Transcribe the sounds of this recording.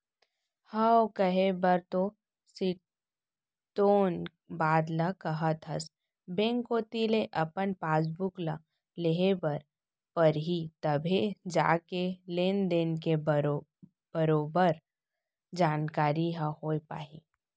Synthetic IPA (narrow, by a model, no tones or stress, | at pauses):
haːwkəɦebɐɾt̪o | si | toːn | baːd̪lakɐɦət̪ʰəs | bẽːŋkoːt̪ileʔɐpənpaːs̬bʊkla | leɦebɐɾ | pəɾɦit̪ɐbʱed͡ʒa̰ːkeleːnd̪enke | b̥əɾoːbəɾ | d͡ʒaːnkaːɾiɦahoːepa̰ːɦḭː